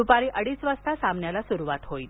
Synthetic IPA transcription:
upaɾiːʔəɽiːsʋəst̪ʰasamɳjalasuɾuʋat̪ɦoiːt̪

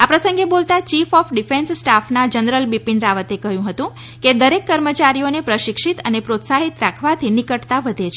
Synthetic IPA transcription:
apɾəsəŋɡebolt̪at͡ʃifɔfɖifenssʈafʰnad͡ʒənɾəlbipiɳɖɾaʋət̪ekəɦjũɦət̪ũ | ked̪əɾekːəɾmət͡ʃaɾijonepɾəʃikʂit̪ənepɾot̪saɦit̪ɾakʰʋat̪ʰinikəʈt̪aʋəd̪ʱet͡ʃʰe

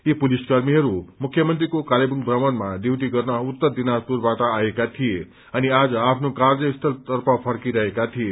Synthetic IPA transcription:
ipuliskʌrmiɦʌɾumukʰːjʌmʌnt̪rikokalebuŋbrʌmʌnmad̪ewʈ̪̬iɡʌrnʌut̪ːʌrd̪inʌspurbaʈʌːjekat̪ʰije | ʌniad͡zʌapʰnokard͡zʌist̪ʰʌlt̪ʌrpʌpʰʌrkiɾʌɦekat̪ʰije

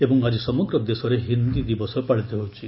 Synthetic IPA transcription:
ebɔŋad͡ʒisɔmɔɡɾɔd̪esɔɾeɦind̪id̪ibɔsɔpaɽit̪ɔɦowt͡ʃʰi

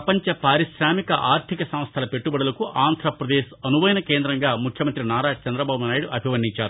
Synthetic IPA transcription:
ɐpɐɲt͡ʃɐpaːɾiʃɾaːmikɐʔaːɾt̪ʰikɐsɐm̃st̪ʰɐlɐpe̞ʈːubɐɽɐlɐkuʔaːnd̪ʱɾɐpɾɐd̪eːsɐnuʋɐjnɐkeːnd̪ɾɐŋɡaːmukʰjɐmɐnt̪ɾinaːɾaːt͡ʃɐnd̪ɾɐbaːbunaːjiɽuʔɐbʱiʋɐnːiɲt͡ʃaːɾu

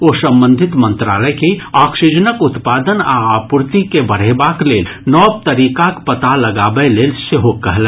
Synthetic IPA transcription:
oːsə̃mbə̃nd̪ʱɪt̪mə̃nt̪ɾa̰ːləjkiaːksid͡ʒənəkʊt̪paːd̪ənaaːpʊɾt̪ikebəɽ̤ebaːkleːl | nɔːb̚t̪əɾiːkakpət̪alɐɡaːbəleːlseɦokːəɦlɛ

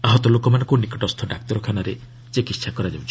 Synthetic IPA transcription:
aɦɔt̪ɔlokɔmanɔ̃ŋkunikɔʈɔst̪ʰɔɖak̚t̪ɔɾɔkʰanaɾe | t͡ʃekitsʰakɔɾad͡ʒawt͡ʃʰi̥

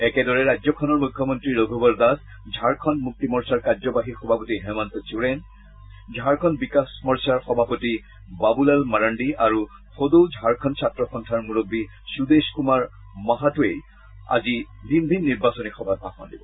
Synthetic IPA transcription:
ɛkɛdɔɹɛɹajzɔkʰɔnɔɹmukʰːjɔmɔntɹiɹoɡʱobɔd̪as | d͡ʒʱaɹkʰɔnmuk̚timɔɹsaɹkazɔbaɦixɔbʱapotiɦɛmantɔt͡ʃuɹɛn | d͡ʒʱaɹkʰɔnbikasmɔɹsaɹxɔbʱapoti | babulalmaɹandiaɹu | xodud͡ʒʱaɹkʰɔnsʰatɹɔxɔntʰaɹmuɹobːi | sudeskumaɹ | maɦatuej | a̰zi | dʱinbʱinːiɹbasɔnixɔbʱat̚paxɔ̰ndibɔ

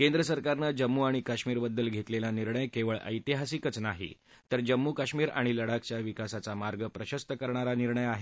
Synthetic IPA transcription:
kẽnd̪ɾəsəɾkaɾnəd͡ʑəmːuaɽ̃ikaɕmiːɾbəd̪ːəlɡʱet̪lelaniɾɳəjkeʋəɭə̰jt̪iɦasikət͡snaɦḭ | t̪əɾd͡ʑəmːukaɕmiːɾa̰ɽ̃iləɽak̚t͡ɕjaʋikasat͡samaɾɡəpɾəɕəst̪əkəɾɳ̃aɾaniɾɳəjaɦe

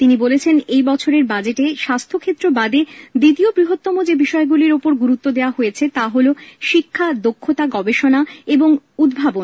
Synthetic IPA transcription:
t̪inibolet͡ɕʰenejbɔt͡ɕʰoɾeɾbad͡ʑeʈeʃast̪ʰokʰet̪ːɾobad̪ed̪it̪iobɾiɦot̪ːɔmod͡ʑebiʃɔeɡuliɾopoɾɡuɾut̪ːod̪eoaɦojet͡ɕʰet̪aɦoloʃikʰːad̪okʰːot̪aɡɔbeʃonaeboŋud̪bʱabon

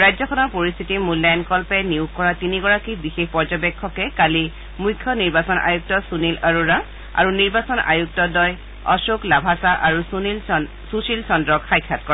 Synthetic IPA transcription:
ɹajzɔkɔnɔɹpoɹist̪ʰitimulːajankɔlpɛniukkɔɹatiniɡɔɹakibixexpɔɹd͡ʒɔbɛkʰːɔkɛkali | mujkʰːjɔniɹbasɔnʔa̰juk̚tɔsunilaɹuɹa | a̰ɹuniɹbasɔna̰juk̚tɔdɔj | ɔsuklabʱasaʔaɹu | susilsɔndɹɔkxajkʰːatkɔɹa

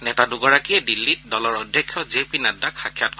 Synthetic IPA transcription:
nɛtadʊɡɔɹakiɛdilːit̚dɔlɔɹɔdʱjɛkʰːjɔzepinadːakxakʰjatkɔ

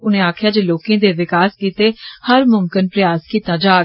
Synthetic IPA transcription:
ʊnẽːaːkʰjaːd͡ʒeːloːkẽːd̪eːʋɪkaːskiːt̪eːhəɾmʊmkənpɾəjaːskiːt̪aːd͡ʒaː

